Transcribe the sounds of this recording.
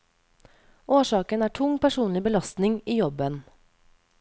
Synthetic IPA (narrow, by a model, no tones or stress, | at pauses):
ʔoːʃɑːkənæːʈʰʊŋpʰæʃuːnlɪbəlɑst̪nɪŋiːjɔbən